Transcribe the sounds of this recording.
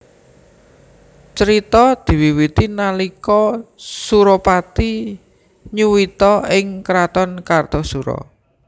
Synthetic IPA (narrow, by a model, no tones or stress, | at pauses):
t͡ʃəɾit̪ɔd̪̥i̤wiwit̪inalikɔsuɾɔpat̪i | ɲuwit̪ɔɪŋkəɾat̪ɔnkard̪̥ɔsuɾɔ̰